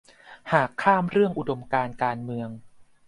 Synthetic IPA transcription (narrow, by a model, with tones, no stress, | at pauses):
haː˨˩kʰːaː˥˩mɾɯ˥˩əŋʔu˨do˧mkaː˧nkaː˧nmɯ˧əŋ